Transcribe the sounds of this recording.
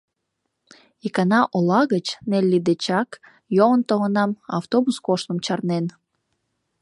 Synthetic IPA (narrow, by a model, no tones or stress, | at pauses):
ikɑnɑʔolɑɣət͡ɕnelʲːid̪et͡ɕɑk | joənt̪oɣə̆nɑmɑ̰ft̪obuskoʃt̪ə̆mt͡ɕɑrnen